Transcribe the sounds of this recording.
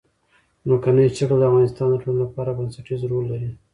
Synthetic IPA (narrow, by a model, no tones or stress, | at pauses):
nokanat͡ʃakəld̪əavɣɑnɪst̪ɑnd̪əʈololapɑɾabansaʈizɾolːaɾi